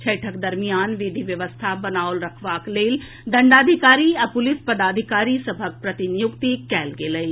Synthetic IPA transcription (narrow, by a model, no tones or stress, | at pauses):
t͡ʃʰɐɪʈʰəkd̪ɐɾmijaːnʋɪd̪ʱiʋjɐʋəst̪ʰabɐnaːʊlɾɐkʰʋaːkleːl | d̪ɐ̃ɳɖaːd̪ʱikaːɾiɐpʊlɪspɐd̪aːd̪ʱɪkaːɾisɐbʱək̚pɾɐt̪inijʊkt̪ikɛːlɡeːləi